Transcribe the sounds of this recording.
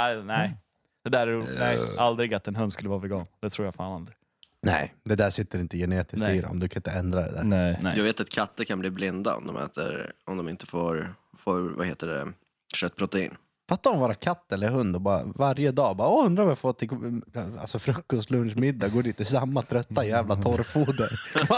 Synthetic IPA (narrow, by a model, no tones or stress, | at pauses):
anɛɪ | d̪̥ɛd̪æɾuːɛald̪ɾɪɡat̪ːɛnɦɵnd̪skɵlːəvɑːvɛɡɑːnd̪ɛt̪ʰɾuːɾjafaːnalɾɪ | nɛ̰ɪd̪ɛd̪æːʂɪt̪ːəɾɪnt̪əjɛneːt̪ɪsiɾ̰ɔ̰md̪ɵkʰanɪnt̪əɛnd̪ɾad̪ɛ̰d̪æ̰ːɛjaːɡveːt̪at̪kʰat̪ːəɾkʰanbliːblɪnd̪a̰ɔ̰md̪ɔ̰mʔɛ̰ːt̪ə̰ɾɔmd̪ɔmɪnt̪ə̥foːɾfoːɾva̰heːt̪əɖɛ̰ | ʂœt̪̚ːpʰɾɔt̪ɛḭːn | fat̪ːaɾɔmvoːɾakʰat̪ːɛlːəɾɦɵnd̪ɔbɑːɾa̰vaɾjəd̪ɑːbɑːɔɵnd̪ɾaɾɔmjafoːt̪ʰɪka̰lsɔfɾɵkːɔst̪lɵnʂmɪd̪ːaɡoːɖiːt̪̚d̪ɛs̬amːat̪ʰɾœt̪ːajæːvlat̪ʰɔɾfuːd̪əɾ